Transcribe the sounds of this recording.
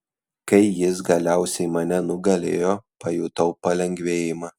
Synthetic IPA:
kɐɪjɪs̬ɡɐlʲæˑʊsʲɛɪmɐnʲɛnʊɡɐlʲeːjoːpɐjuːt̪ɐʊpɐlʲɛŋʲɡʲʋʲeːjɪmɑː

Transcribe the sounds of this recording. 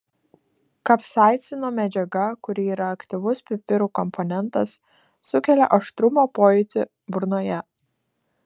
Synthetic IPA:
kɐpsɑˑɪt̪sʲɪnoːmʲɛd͡ʒʲɛɡɐkʊɾʲɪiːɾɐːkt̪ʲiʋʊspʲɾʲɪpʲɪɾuːkɔmpʰɔnʲɛnˑt̪ɐsː | ʊkʲɛlʲɛʔɐʃt̪ɾʊmoːpoːjɪt̪ʲɪ | bʊɾnoːjɛ

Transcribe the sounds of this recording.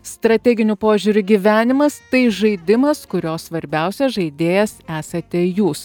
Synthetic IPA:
st̪ɾɐt̪ʲɛɡʲɪnʲʊpoːʒʲuɾʲʊɡʲiʋʲæːnʲɪmɐst̪ɐɪʒɐɪd̪ʲɪmɐskʊɾʲoːssʋɐɾʲbʲɛˑʊsʲɛʒɐɪd̪ʲeːjɛsæːsɐt̪ʲɛjuːs

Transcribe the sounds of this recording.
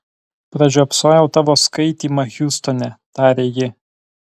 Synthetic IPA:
pɾɐd͡ʒʲuːɐpsoːjɛʊt̪ɑːʋoːskɐɪt̪ʲiːmɐxʲuːst̪ɔnʲɛt̪ɑːɾʲeːjɪ

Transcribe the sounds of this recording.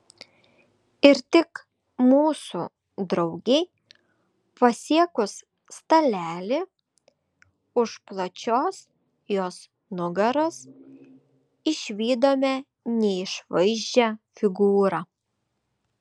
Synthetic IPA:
ɪɾt̪ʲɪk | muːsuː | d̪ɾɐʊɡʲɛɪ | pɐsʲiɛkʊs | st̪ɐlʲæːlʲɪ | ʊʃplˠɐt͡ʃʲoːs | joːs | nʊɡɐɾoːs | ɪʃʲʋʲiːd̪oːmʲɛ | nʲɛɪʃʋɐɪʒʲd͡ʒʲæfʲɪɡuːɾɑː

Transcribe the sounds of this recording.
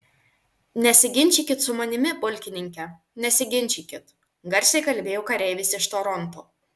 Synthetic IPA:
nʲɛsʲɪɡʲɪnʲt͡ʃʲɪkʲɪt̪sʊmɐnʲɪmʲɪbʊlʲkʲɪnʲɪŋʲkʲɛ | nʲɛsʲɪɡʲɪnʲt͡ʃʲikʲɪt̪ | ɡɐɾʲsʲɛɪkɐlʲbʲeːjoːkɐɾʲɛɪʋʲɪsʲɪʃt̪oːɾɔnt̪oː

